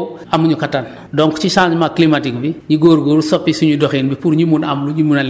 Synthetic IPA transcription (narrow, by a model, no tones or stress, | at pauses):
ɐmːuɲukɐtːan | dɔŋkut͡ʃiʃamakːlimatik̚biɲiɡoːɾɡoːɾusɔpːisuɲudɔxiːnbipuɾɲumunɐmluɲumunɐl